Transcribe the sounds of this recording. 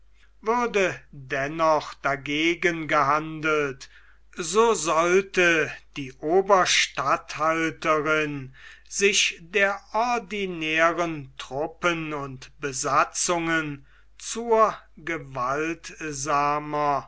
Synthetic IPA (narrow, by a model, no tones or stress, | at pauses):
vʊɐdədɛnɔχd̥aɡeːɡənɡəɦandəlt | zoːzɔltəd̥iːʔoːbɐʃtathaltəʁɪnzɪʃdeːɐʔɔɐdinɛːʁəntʁ̥ʊpənʊntb̥əzat͡sʊŋən | t͡suːɐ | ɡəvaltzaːmɐ